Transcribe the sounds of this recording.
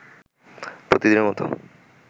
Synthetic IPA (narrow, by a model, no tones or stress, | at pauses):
pɾot̪id̪ineɾmɔt̪o̰